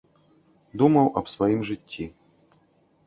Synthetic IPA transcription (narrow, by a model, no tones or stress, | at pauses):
d̪umɐwʔɐpsvɐjimʐɨtʲːi